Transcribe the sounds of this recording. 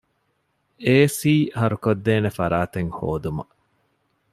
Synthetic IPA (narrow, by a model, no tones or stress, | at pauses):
eːsiːɦɐɾukod̪ːeːnefɐɾaːt̪eŋho̰ːd̪umɐ̰